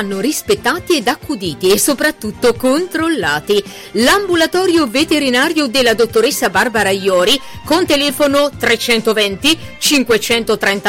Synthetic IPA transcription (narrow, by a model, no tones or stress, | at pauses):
anːorispet̪ːaːt̪iɛd̪akːud̪iːt̪iesːopɾat̪ːut̪ːokont̪ɾolːaːt̪i | lambulat̪ɔːɾjovet̪eɾinaːɾjod̪elːad̪ot̪ːoɾesːabarbaɾajɔːɾikont̪elɛːfonot̪ɾet͡ʃɛnt̪ovɛnt̪i | t͡ʃiŋkwet͡ʃɛnt̪ot̪ɾɛnt̪a